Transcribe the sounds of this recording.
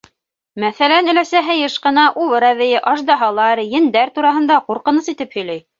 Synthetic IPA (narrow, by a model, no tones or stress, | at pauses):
mæθælænɘ̆læsæɦɘjɤʃqɤ̆nɑʔulˠɤɾæβɘ̆jɘʔɑʒd̪ɑɦɑlˠɑɾjɘ̆nd̪æɾt̪uɾɑɦɤ̆nd̪ɑquɾqɤ̆nɤsit̪ɘphɵ̆jlæj